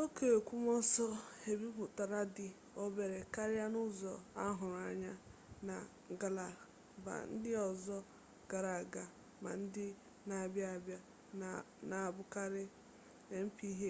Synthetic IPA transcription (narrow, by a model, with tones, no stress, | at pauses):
o˦ke˨kʷu˦mɔ˦sɔ˦e˨bi˦bʊ˨ta˨ɾa˦dɪ˨ | ɔ˦be˨ɾe˨ka˦ɾɪ˦ja˦nʊ˦zɔ̰˨a˦ɦʊ˨ɾa˨ɲa˦ | na˨ | ɡa˨la˨ | ba̰˨n̩˦dɪ˦ɔ˨zɔ˦ | ɡ̥a˨ɾa˨ɡa˨ | ma̰˨n̩˦dɪ˦ | na˨bja˦a˨bja˦ | na˨bʊ˦ka˦ɾɪ˦ | e˦m̩˦pi˦ɦe˦